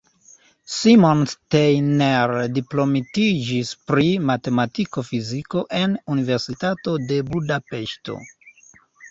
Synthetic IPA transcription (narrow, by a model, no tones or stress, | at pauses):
simo̞nstejneɾdiplo̞mitid͡ʒispɾimate̞matiko̞fiziko̞ʔe̞nunive̞ɾsitato̞de̞budape̞ʃto̰